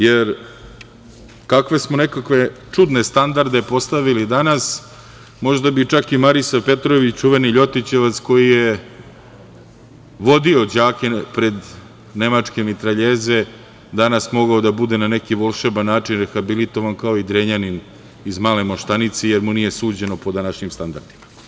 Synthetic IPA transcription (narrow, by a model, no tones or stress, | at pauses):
jeɾ | kakʋe̞smone̞kakʋe̞t͡ʂud̪nest̪and̪aɾd̪e̞po̞st̪aʋilid̪anas | mo̞ʒd̪abit͡ʂakimaɾisape̞t̪ɾo̞ʋit͡ɕt͡ʃuʋe̞niʎo̞t̪it͡ɕe̞ʋat̪sko̞jije | ʋo̞d̪io̞d͡ʑaːke̞pɾe̞d̪ | ne̞mat͡ʂke̞mit̪ɾaʎeːze̞ | d̪anasmo̞ɡaod̪abud̪enane̞kiʋo̞lˠʃebanːaːt͡ʃinɾexabilit̪o̞ʋankaoid̪ɾeɲanin | izmaːle̞moʃt̪anit̪sejeɾmunije̞suːd͡ʑe̞no̞po̞d̪anaʃɲimst̪and̪aɾd̪ima